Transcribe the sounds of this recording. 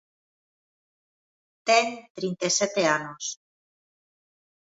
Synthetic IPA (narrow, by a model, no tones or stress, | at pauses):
t̪eŋt̪ɾint̪eset̪eanos